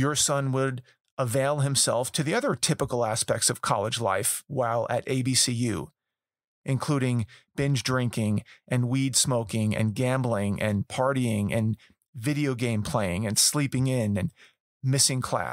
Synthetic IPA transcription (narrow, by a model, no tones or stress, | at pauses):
jə˞sʌ̃nwəɾ | əveɪlˠɨ̃msɛlˠftʰɨðiʌðə˞tʰɪpəkl̩ˠæspɛk̚tsʌv̥kʰɑ̰lˠəd͡ʒla̰ɪfwaɪlˠɨ̰ɾʔeɪbisijʉ̰ | ʔɨ̃nkʰl̥uɾɪ̃ŋb̥ɪ̃nd͡ʒdɹɪ̃ŋkɪ̃ŋʔɨ̃nwidsmoʊkɪ̃ŋɨ̰̃nɡæ̃mblˠɪ̃ŋʔɨ̰̃npʰɑɹɾiɪ̃ŋʔɨ̰̃n | vɪɾioʊɡẽɪ̃mpʰl̥eɪɪ̃ŋɨ̃nslipɪ̃ŋɪ̃nɨ̃n | mɪsɪ̃ŋkʰl̥æ̰